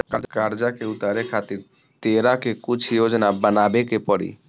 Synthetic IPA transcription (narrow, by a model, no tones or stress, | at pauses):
kaɾd͡ʒakeut̪aɾekʰat̪iɾ | t̪eɾakekut͡ʃʰjod͡ʒnabənabekepəɽḭ